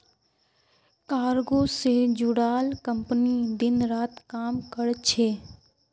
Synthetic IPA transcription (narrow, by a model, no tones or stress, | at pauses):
kaːɾɡosed͡ʒʊɽaːlkə̃mpənid̪ɪnɾaːt̪kaːmkəɽt͡ʃʰeː